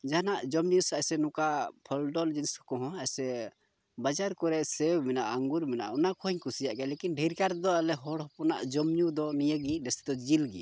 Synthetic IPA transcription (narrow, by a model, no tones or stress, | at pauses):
d͡ʒanaʔd͡ʒɔmɲusasɛnukapʰɔlɖɔld͡ʒinsɔ̥kɔɦɔ̃ajsɛ | bad͡ʒaɾkɔɾɛʔsɛbmɛnaʔaŋɡuɾmɛna̰ʔɔnakʰɔɦɔɲkʰusijaʔɡɛlekinɖʱiɾkaɾd̪ɔalɛɦɔɽɦɔpɔna̰ʔd͡ʒɔmɲud̪ɔnijəɡiɖɛsɛd̪ɔd͡ʒilɡḭ